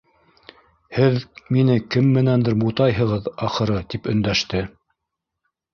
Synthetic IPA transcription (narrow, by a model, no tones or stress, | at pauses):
hɘðminɘkɘmːɘ̆nænd̪ɘɾmut̪ɑjɦɤ̆ʁɤðɑχɤ̆ɾɤt̪ipɵ̆nd̪æʃt̪ɘ